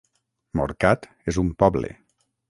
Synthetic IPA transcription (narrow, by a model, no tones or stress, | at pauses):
mo̰ɾkat̪ | ezumpɔβlḛ